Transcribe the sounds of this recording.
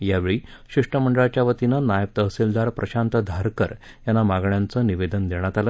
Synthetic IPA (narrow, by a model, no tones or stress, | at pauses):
jaʋeɭiːɕɾiʂʈəməɳɖəɭat͡ɕjaʋət̪inənajəp̚t̪əːseld͡zaɾpɾʔəɕant̪əd̪ʱaɾkəɾ | janːamaɡɳjant͡səniʋed̪ənd̪eɳ̃jat̪alə